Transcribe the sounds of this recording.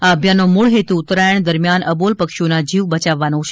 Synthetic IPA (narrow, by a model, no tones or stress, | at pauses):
aəbʱjanomuɭɦet̪uːt̪ːɾajəɳd̪əɾmjanəbolpəkʃonad͡ʒiʋbət͡ʃaʋːanot͡ʃʰe